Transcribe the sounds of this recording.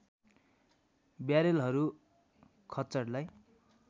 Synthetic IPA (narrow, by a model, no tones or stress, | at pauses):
bjaɾelɦʌɾu | kʰʌt͡sʌrlaj